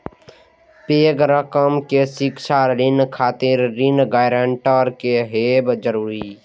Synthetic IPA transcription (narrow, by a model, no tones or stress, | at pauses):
peːɡɾəkəmkesɪkʃaɾɪnkʰaːt̪ɪɾːɪnɡaːjɾəɳʈəɾkeɦeːbd͡ʒəɾuːɾi